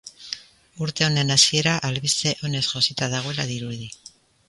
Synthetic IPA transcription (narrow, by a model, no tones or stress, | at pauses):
uɾt̪e̞o̞ne̞nasie̞ɾaʔalβist̪e̞ʔo̞ne̞sʝo̞sit̪aðaɣ̞o̞e̞laðiɾuði